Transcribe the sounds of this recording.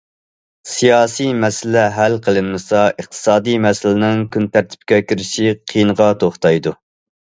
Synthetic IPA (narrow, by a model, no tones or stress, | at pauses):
sijɑːsijmɛsɪlɛɦælqʰəlˠɨnmɨsɑəχt̪ʰɨ̥sɑːd̪ijmɛsɪlɪnɪŋkʰʲynt̪æɾt̪ʰɪ̥p̚kʲɛkʲʰiɾɪʃiqʰinəʁɑt̪ʰoχt̪ɑjd̪u